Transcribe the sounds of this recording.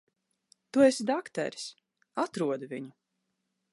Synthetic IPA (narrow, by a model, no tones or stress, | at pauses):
t̪uesid̪akt̪ɛ̰ɾs | at̪ɾuɔd̪vʲiɲu